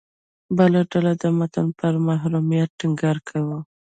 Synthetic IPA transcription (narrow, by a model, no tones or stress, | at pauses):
bəlaɖalad̪əmat̪anpəɾmaɦɾumijat̪̚ʈiŋɡɑɾkʰawu